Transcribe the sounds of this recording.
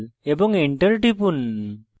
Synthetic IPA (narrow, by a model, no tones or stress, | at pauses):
lebɔŋiɳʈəɾʈipun